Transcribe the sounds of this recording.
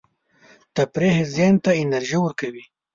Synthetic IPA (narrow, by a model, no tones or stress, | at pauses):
t̪apɾeɦezjɑnt̪aɪnɐɾʒiwəɾkawi